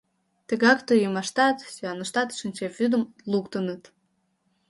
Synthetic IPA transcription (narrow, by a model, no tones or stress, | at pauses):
t̪əɣɑkt̪əjəmɑʃt̪ɑt̪syɑnəʃt̪ɑt̪ʃənʲt͡ɕevyd̪əm | lukt̪ənət̪